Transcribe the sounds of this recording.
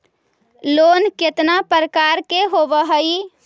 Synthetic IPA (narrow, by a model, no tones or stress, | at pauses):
lonket̪napəɾəkaɾkeɦobəɦəi